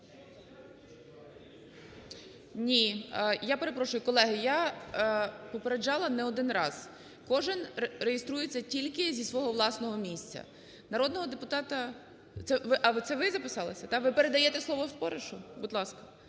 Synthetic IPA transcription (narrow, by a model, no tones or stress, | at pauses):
nʲijapeɾepɾɔʃʊjʊkɔlˠɛɦɪja | pɔpeɾed͡ʒɑlˠɐnɛɔd̪ɪnrɑz̥ | kɔʒɪnɾejest̪ɾujet͡sʲːɐtʲilʲkɪzʲisʋɔɦɔʋlˠɑsnɔɦɔmʲisʲt͡sʲɐ̰ | nɐɾɔd̪nɔɦɔd̪epʊt̪ɑt̪ɐ | t̪sɛʋɪʔɐʋt̪ɛʋɪzɐpɪsɑlˠɐsʲɐt̪ɑʋɪpeɾed̪ɐjɛt̪ɛslˠɔʋɔwspɔɾeʃʊbʊd̪lˠɑskɐ̥